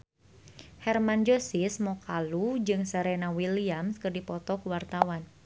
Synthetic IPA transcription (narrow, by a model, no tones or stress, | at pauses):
hɛrmand͡ʒosismɔkalud͡ʒɨŋsəɾɛnawiliamskərdipɔt̪ɔkuwart̪awan